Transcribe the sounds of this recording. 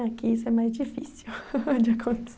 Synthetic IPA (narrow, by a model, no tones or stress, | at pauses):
akiisʊɛmajzd͡ʒifisiwd͡ʒɪakʰõnt̪e̥s